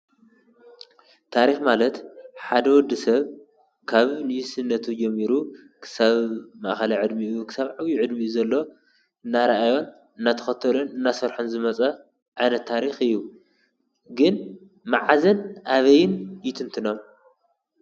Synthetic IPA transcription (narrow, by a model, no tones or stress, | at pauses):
t̪ʰaɾixmalɐt̪ħad̪ɐwɔd̪ɨsɐβ | kʰaβnɨjisɨnːɐt̪ʰud͡ʒɛmːiɾu | kʰɨ̥saβma̰ʔxɐlaʕɨd̪miukʰɨ̥saβʕaβjuʕɨd̪miuzɐlːo̞ | ɨnːaɾɐʔajo̞n | ɨnːat̪ʰɐ̥xɐt̪ʰɐlunɨnːasɐɾħunzɨmɐt͡sʼɐ | ʕajnɐt̪ʰːaɾixɨjːu | ɡɨn | maʕazɐnʔaβɐjnjɪt̪ʰɨnt̪ʰɨno̞m